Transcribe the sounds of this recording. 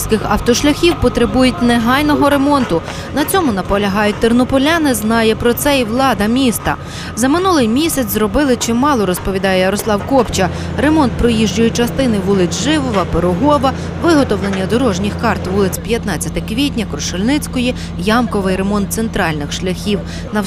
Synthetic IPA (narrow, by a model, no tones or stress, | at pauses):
sʲkɪxɐwt̪ɔʃlʲɐxʲiwpɔt̪ɾɪbujʊt̚ʲneɦɑjnɔɦɔɾe̞mɔnt̪ʊ | nɐt͡sʲɔmʊnɐpɔlʲɐɦɑjʊt̚ʲt̪ɪrnɔpɔlʲanɪznɑjɛpɾɔt̪sɛiʋlˠɑd̪ɐmʲist̪ɐ̰ | zɐmɪnulˠɪjmʲisʲɐt͡sʲzɾɔbɪlˠɪt͡ʃɪmɑlˠɔɾɔspɔʋʲid̪ɑjɛjɐɾɔslˠɑwkɔpt͡ʃɐ | ɾe̞mɔnt̪̚pɾɔjiʒd͡ʒʊjɛt͡ʃɐst̪ɪnɪʋulˠɪt͡sʲʒɪʋɔʋɐpeɾʊɦɔʋɐ | ʋɪɦɔt̪ɔʋlˠenʲːɐd̪ɔɾɔʒnʲixkɑrt̪ʋulˠɪt͡sʲpʲjɐt̪nɑt͡sʲɐt̪ɛkʋʲitʲnʲɐkɾʊʃɔlʲnɪt͡sʲkɔji | jɑmkɔʋɪjɾe̞mɔnt̪sent̪ɾɑlʲnɪxʃlʲɐxʲiw | nɐ